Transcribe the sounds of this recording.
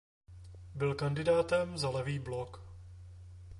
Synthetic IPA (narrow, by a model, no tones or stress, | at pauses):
bɪlkandɪdaːt̪ɛmzalɛviːblok